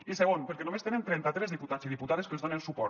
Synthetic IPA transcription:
iseɣonpeɾkenomest̪enent̪ɾɛnt̪at̪ɾɛzðiput̪at͡siðiput̪aðeskelzonensupɔ

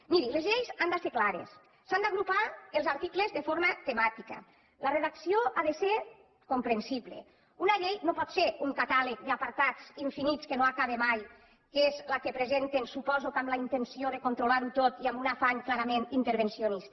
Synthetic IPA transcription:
miɾilezʎejzand̪aseklaɾḛsː | and̪aɣɾupaelˠzaɾt̪iklezðefoɾmat̪emat̪ika̰ | lareðaksioʔaðeseɾ | kompɾensiβlḛ | unaʎejnopɔt̪seɾuŋkat̪alek̚d̪apaɾt̪at͡siɱfinit͡skenoakaβemaj | kezlakepɾezent̪ensupɔzukamlaint̪ensioðekont̪ɾolaɾut̪ot̪iambunafaɲklaɾamẽnint̪eɾβ̞ensionist̪

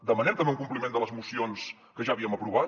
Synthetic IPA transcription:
d̪əmənɛmt̪əmbeuŋkumplimẽnd̪ələzmusions | kəʒaəβiəməpɾuβa

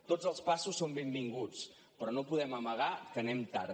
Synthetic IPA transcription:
t̪od͡zəlˠspasusːombembiŋɡut͡s | pɾɔnopuðɛməməɣ̞akənɛmt̪a̰ɾ

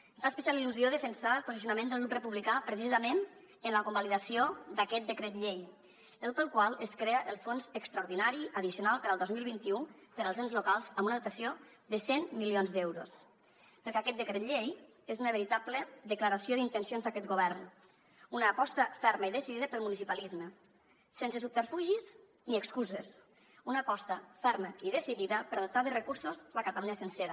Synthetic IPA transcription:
faspisaliluzioðəfənsaəlˠpozisiunamẽnd̪əlˠɣɾuprəpuβlikapɾəs̬izəmen | ənləkumbaliðasiod̪əkɛt̪̚d̪əkɾɛt̪ʎej | əlˠpəlˠkwalˠəskɾeəʔəlˠfonzəkst̪ɾauɾðinaɾiəðisiunalˠpəɾəlˠd̪ozmilˠβint̪iupəɾəlˠzenzlukalˠzəmunəðut̪asioðəsenmilionzd̪ɛwɾṵs | pəɾkɛakɛt̪̚d̪əkɾet̪ʎej | ezunəβəɾit̪abləðəkləɾasioðint̪ənsionzd̪əkɛt̪ɡuβ̞ɛɾn | unəːpɔst̪əfɛɾməiðəsiðiðəpəlˠmunis̬ipalizmə | sens̬əsup̚t̪əɾfuʒis | niəkskuzes | unəːpɔst̪əfɛɾməiðəsiðiðəpəɾaðut̪aðərəkuɾsuzləkat̪əluɲəsənseɾə

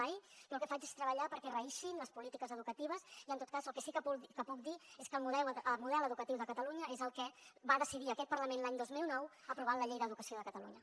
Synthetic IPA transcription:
ajkəlˠkɛfad͡ʒe̥st̪ɾəβəʎapəɾkɛrəiʃinləspulit̪ikəzəðukət̪iβ̞əziənt̪ot̪̚kazəlˠkɛsikəpukəpuk̚d̪ieskəlˠmuðɛəlˠmuðɛləðukət̪iwðəkət̪əluɲəezəlˠkɛβaðəsiðiəkɛt̪̚pəɾləmẽnlaɲd̪ozmilˠnɔwəpɾuβanləʎejðəðukəsioðəkət̪əlṵɲə

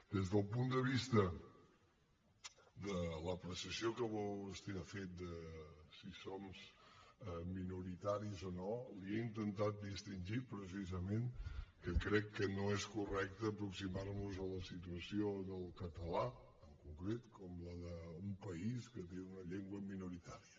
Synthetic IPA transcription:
d̪ezðəlˠpund̪əβ̞ist̪ə | d̪ələpɾəsiəsiokəβɔəst̪iɾafet̪̚d̪əsisomzɛminuɾit̪aɾizonolieint̪ənt̪at̪̚d̪ist̪inʲʒipɾəs̬izəmenkəkɾɛkːənoɛskurɛk̚t̪əːpɾuksimarnuzələsit̪uəsioðəlˠkət̪əla | əŋkuŋkɾet̪kɔmləðəumpəiskət̪eunəʎeŋɡwəminuɾit̪aɾiə

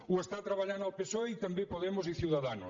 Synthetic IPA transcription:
uest̪at̪ɾaβaʎanawpesoeit̪ambepoðemos̬iθjuwðaðano̰

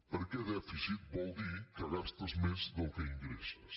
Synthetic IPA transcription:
poɾkeðɛfisit̪̚bowd̪ikɐðapst̪ɐzmẽzðokeiŋɡɾesɐs

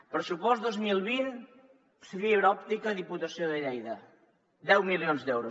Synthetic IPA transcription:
pɾəsupɔsd̪ozmilˠβin | səβiβɾɔp̚t̪ikɐðiput̪ɐsioðəʎɛjðə | d̪ɛwmiljonzd̪ɛwɾu

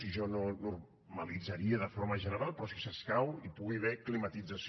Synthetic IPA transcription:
iʒɔnonur | məlid͡zəɾiəðəfoɾməʒənəɾalˠpɾɔsisəskawipuɣiβ̞ɛklimət̪id͡zəs

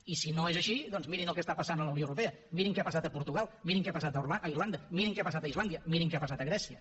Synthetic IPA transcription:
isinoezəʃidðɔnzmiɾinəlˠkɛst̪apəsanələwnioəwɾupeə | miɾiŋkɛapəsat̪əpuɾt̪uɣalˠmiɾiŋkɛapəsat̪əaʔəirland̪əmiɾiŋkɛapəsat̪əizland̪iəmiɾiŋkɛapəsat̪əɣɾɛsiə

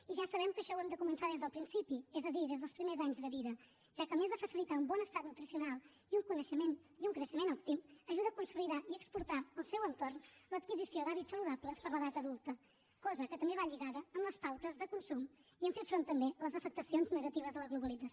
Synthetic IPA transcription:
iʒasəβɛmkəʃɔwɛmd̪əkumənsaðezðəlˠpɾinsipiɛzəðiðezðəlˠspɾimezaɲzðəβiðə | ʒ̥akəmezðəfəsilit̪aumbɔnəst̪at̪nut̪ɾisiunalˠ | iuŋkunəʃəmeniuŋkɾəʃəmenɔp̚t̪iməʒuðəːkunsuliðaʔiəkspuɾt̪aəlˠsɛwənt̪ornlət̪kizisiod̪aβitsəluðapləspəɾləðat̪əðulˠt̪ə | kɔzəkət̪əmbeβaʎiɣaðəːmləspawt̪əzðəkunsum | iɛɱfet̪fɾont̪ːəmbeələzəfək̚t̪əsionznəɣət̪iβ̞əzðələɣluβ̞əlid͡zəs

